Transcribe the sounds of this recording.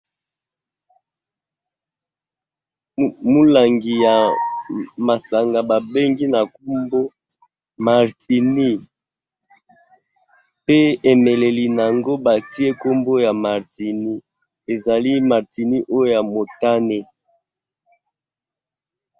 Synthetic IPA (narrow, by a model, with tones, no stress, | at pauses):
mu˦la˨ŋɡi˨ja˨ | ma˨sa˨ŋɡa˨ba˨be˦ŋɡi˦na˨ku˦mbo˦ | ma˨ʁti˨ni˦ | pe˦e˨me˨le˨li˨n˨a˨ŋɡo˦ba˨ti˦e˦ko˦mbo˦ja˨ma˨ʁti˨ni˦ | e˨za˨li˦ma˨ʁti˨ni˦ʔo˦jo˦ja˨mo˨ta˦ne˦